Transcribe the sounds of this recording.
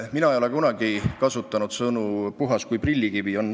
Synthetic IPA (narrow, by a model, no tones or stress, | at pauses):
minɑejo̞lekunɑɡ̥ikɑsut̪ːˑɑnud̪̥sɤnupuɦɑskujprilʲːikivio̞nː